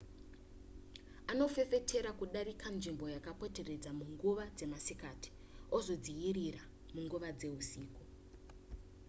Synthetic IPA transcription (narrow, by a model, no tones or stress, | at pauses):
ano̞fe̞fe̞tʰe̞ɾakuɗaɾikʰanʐimbo̞jakapo̞te̞re̞d͡zamuŋɡuʋad͡ze̞masikati̥ | ozo̞d͡zijiɾira | muŋɡuʋad͡ze̞ɦusiːko